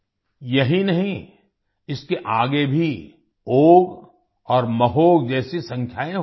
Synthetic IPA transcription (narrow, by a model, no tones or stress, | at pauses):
jɐɦĩnɐɦĩ | ɪskeʔaːɡebʱi | oːɡ | ɔːɾmɐɦoːɡd͡ʒɛːsisɐ̃ŋkʰjaːẽ